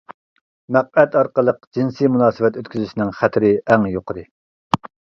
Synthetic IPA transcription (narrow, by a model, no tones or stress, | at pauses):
mæq̚ɛt̪ʰɑɾqəlˠəq̚d͡ʒinsimunɑːsɨvɛt̪øt̪̚kʲyzyʃinɪŋχæt̪ʰɾɪʔɛŋjoqʰəd̪ɾɨ